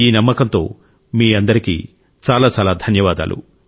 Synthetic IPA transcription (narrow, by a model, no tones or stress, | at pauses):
iːnɐmːɐkɐnt̪o̞̰ː | miːɐnd̪ɐɾikḭː | t͡ʃaːlaːt͡ʃaːlaːd̪ʱɐnjɐʋaːd̪a̰ːlʔṵ